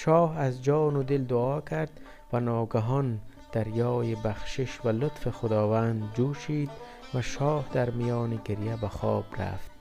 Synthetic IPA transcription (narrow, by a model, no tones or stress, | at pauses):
ʃɒːhazd͡ʒɒːnʊd̪ɪld̪ʊɒːkʰaɾd̪ | vanɒːɡaɦɔn | d̪̥aɾjɒːjibaχʃɪʃvalʊt̪fixʊd̪ɒːvand̪d͡ʒuːʃiːd̪ | vaʃɒːhd̪aɾmijɒːniɡiɾjabaxɔːb̥ɾa̰ft̪